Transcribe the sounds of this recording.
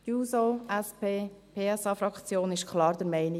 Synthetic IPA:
juːsoɛspeːpʰeːɛsɑfɾɑkt͡sjoːnɪʃkʰlɑːɾd̥̪əɾmɛɪni

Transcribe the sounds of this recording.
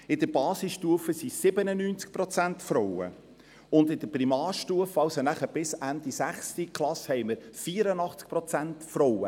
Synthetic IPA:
ɪd̥əɾbɑːsɪsʃtuəfəsisɪbənənyːnt͡sk̚pɾɔt͡sænt̪fɾɔwə̰ | ʊndɪd̥̪əpɾimɑːɾʃtuəfɑwsonæχəb̥ɪsænd̪isæχstikχlˠɑshɛjməɾfiːɾənɑχt͡sk̚pɾɔt͡sæntfɾɔwə̰

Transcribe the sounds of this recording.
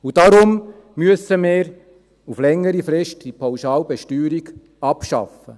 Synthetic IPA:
ud̥ɑɾʊm | myəsəmɪːɾ | uflɛŋːəɾifɾɪʃtd̥ipʰawʃɑːlbɛʃtyːɾiɡ | ɑpʃɑ̰fə

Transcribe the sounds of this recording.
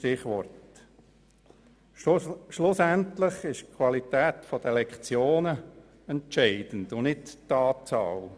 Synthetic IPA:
ʃtɪχʋɔrt | ʃlʊsæntlɪχɪʃkʰwɑlit̪ɛːt̪fɔd̥̪əlɛkχt͡sjoːnə | ɛnt͡ʃɛɪd̥ən̩dʊnɪtt̪ɑːtt͡sɑ̰ːl

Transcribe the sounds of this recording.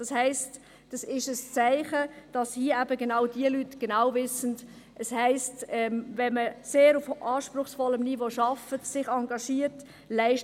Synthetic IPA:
d̥ɑshɛɪst | d̥ɑsɪʃəst͡sæɪχəd̥ɑshiːəæbəɡenaʊd̥iəlytɡ̥enaʊvɪsən | ʔɛshɛɪstɛmvɛnməseːɾufʔɑːʃpɾʊχsfɔləmnivoʃɑfətsɪχɑŋɡɑʃiːəɾt | læɪʃ

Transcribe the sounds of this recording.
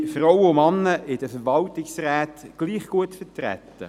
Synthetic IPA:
frɔwəʊmɑnːəʔɪd̥əfəɾʋɑltɪksræːtɡ̥liːχɡ̥uətfətræ̰t̪ːə̰

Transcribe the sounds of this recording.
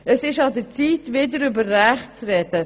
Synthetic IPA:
əsɪʃɑdət͡siːtvɪdəɾʏbəɾːæχt͡srɛdə

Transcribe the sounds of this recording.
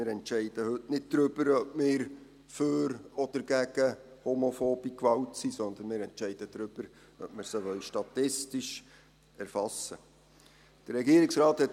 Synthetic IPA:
ɪːɾɛntʃɛɪd̥əhɵtnɪd̚d̥ɾʏb̥əɾœbmɪːɾ | føɾɔd̪̥əɾɡ̥æɡ̥əhomofoːb̥ikʋɑwtsisɔnd̪ənmɪːɾɛntt͡ʃɛɪd̥əd̥ɾʏb̥əɾ | œ̰p̚mɪɾsəʋœwʃtɑt̪ɪstiʃ | ɛɾfɑsːə | d̥əɾːɛɡiːəɾɪksɾɑːthɛt

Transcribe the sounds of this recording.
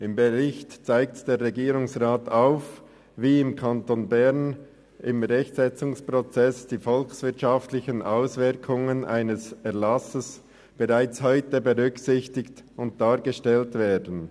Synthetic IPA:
ɪmbeʁɪçtt͡saɪk̚td̥eːʁːɛɡiːɾʊŋsʁaːtʰaʊf | viːɪmkʰɑntonbɛʁn | ɪmʁɛçtsɛt͡sʊŋspʁot͡sɛsd̥iːfɔlksvɪɐtʃaftlɪçənʔaʊsvɪɾkʰʊŋənʔaɪnəsɛɐlɑsəs | b̥eʁaɪt͡shɔʏtəbəʁʏksɪçtɪktʊnt̚d̥aːɾɡəʃtɛltv̥ɛːdən̩

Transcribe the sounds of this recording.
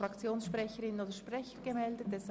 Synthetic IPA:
ʁɑkt͡sjoːnsʃpʁɛçəɾɪnoːdəʃpʁɛçəɡəmɛldət̚ɛs

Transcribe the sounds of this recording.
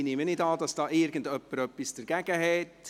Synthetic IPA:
nɪmənɪdɑːdɑsd̥ɑːʔɪrɡən̩dœpːəɾœpːisd̥əɾɡ̥æɡ̥əhɛt

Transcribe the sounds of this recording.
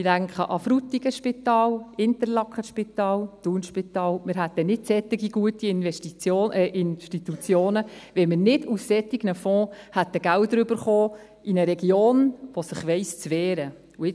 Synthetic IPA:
idæŋkχəʔɑfɾut̪iɡ̥əʃpɪt̪ɑːlɪnt̪əɾlɑkʰχəʃpit̪ɑːlt̪uːnʃpit̪ɑːlmɪɾɦæt̪ːənɪtsɛt̪ːɪɡiɡuətiɪnʋɛʃtit͡soːʔɪnʃtit̪ut͡sjoːnəʋɛmənɪdussɛtiɡ̥nəfɔ̃ːhætːəɡ̥æltdɾʏbəɾχoː | ʔinəɾɛɡjoːnʋosɪχʋɛɪst͡sʋɛːɾə | uɪ

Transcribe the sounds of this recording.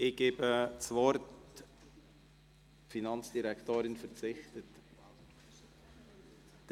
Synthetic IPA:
ɪɡ̥eːbət͡svɔɾt | finɑnt͡sd̥iɾɛktoːɾɪnfəɾt͡sɪxtət | d̥

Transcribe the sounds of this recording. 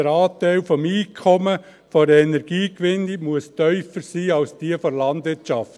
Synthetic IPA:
əɾɑːtæɪlfɔmiːkʰːɔmə | fɔɾɛnɛɾɡiːkʋɪnimuəstœʏfəɾsiːɑlsd̥iəfɔɾlɑndʋɪɾtʃɑft

